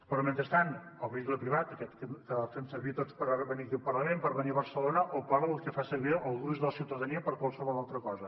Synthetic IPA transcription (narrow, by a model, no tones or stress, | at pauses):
pɾɔment̪ɾəst̪anəlˠβikləpɾiβat̪əkɛt̪kəkəðafensəɾβit̪otspəɾaβɛβənikilˠpəɾlˠəmempəɾβəniəβəɾsəlonəʔopaɾəlˠkəfasəɾβiəlˠɣuzðələsiwt̪əðəniəpəɾkwalˠsəβɔlˠalˠt̪ɾəkɔzə